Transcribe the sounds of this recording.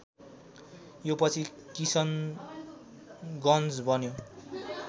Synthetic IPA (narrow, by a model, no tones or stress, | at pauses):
jopʌt͡sʰikisʌn | ɡʌnd͡zbʱʌnjo